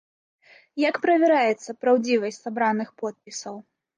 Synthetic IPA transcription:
jakpɾɐvʲɛɾajɛt̪sːɐpɾawd͡zʲivɐsʲtʲsabɾanɨxpɔt̪̚pʲisɐw

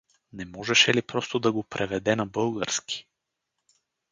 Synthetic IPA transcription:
nɛmɔʒɛʃɛlipɾɔst̪od̪ɐɡopɾʔɛvɛd̪ɛnɐbɤlˠɡəɾski̥

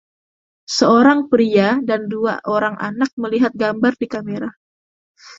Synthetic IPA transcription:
səoɾaŋpɾiadandua̰ʔoɾaŋʔanak̚məliɦat̪̚ɡambardikameɾa

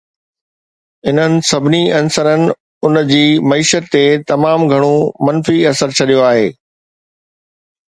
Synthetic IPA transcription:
ɪn̤ənɪ̆sɐbʱɪniɐnsəɾənɪ̆ | ʊnd͡ʑiːmɐiːʃət̪ːet̪ɐmaːmɡʱɐɽ̃omɐ̃nfiɐsəɾt͡ɕʰɐɗijoaːɦeː

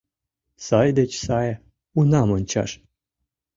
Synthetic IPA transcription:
sɑjd̪et͡ɕsɑj | unɑmonʲt͡ɕɑ̰ʃ

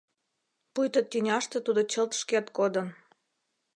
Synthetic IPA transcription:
pujt̪ət̪ʲːynʲɑʃt̪ĕt̪ud̪ot͡ɕəlt̪ʃket̪kod̪ən

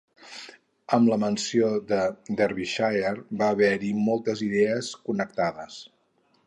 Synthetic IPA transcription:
əmləmənsioðəd̪ɛɾβiʃajerbaːβɛɾimɔlˠt̪əziðɛəskunəkt̪aðəs

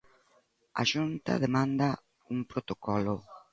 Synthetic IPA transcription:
a̰ʃunt̪a̰ðemãnd̪a | umpɾot̪okɔlo

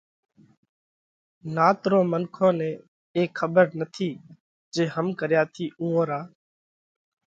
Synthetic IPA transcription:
naːt̪ɾõːmənkʰõːnẽː | eːkʰəbəɾnət̪ʰiː | d͡ʒeːɦəmkəɾjaːt̪ʰiːʔũːõːɾaː

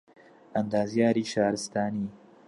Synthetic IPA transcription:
ɐnd̪aːzjaːɾiːʃɑːɾɪst̪ɑːniː

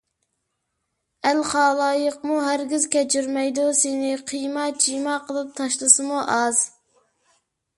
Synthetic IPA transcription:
ælχɑːlˠɑːjəqmuɦæɾɡʲizkʲʰɛt͡ʃʰyɾmɛjd̪usɪnɪqʰijmɑd͡ʒijmɑqʰəlˠɨp̚t̪ʰɑʃlˠɨsɨmuʔɑz̥

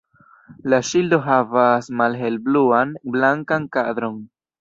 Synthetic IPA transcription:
laʃildo̞ɦavasmalɦe̞lbluanblaŋkankad̪ɾo̞n

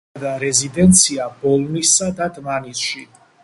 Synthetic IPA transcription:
d̪aɾɛzid̪ɛnt̪sʰiabɔlˠnisːad̪ad̪manisʃi

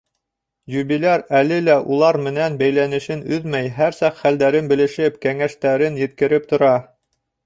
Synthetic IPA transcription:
jʉβilæɾælɘlæʔulˠɑɾmɘ̆nænbæjlænɘ̆ʃɘnɵðmæjɦæɾsɑqχæld̪æɾɘnbɘ̆lɘ̆ʃɘpkæŋæʃt̪æɾɘnjɘ̆t̪̚kɘ̆ɾɘp̚t̪ŏɾɑ

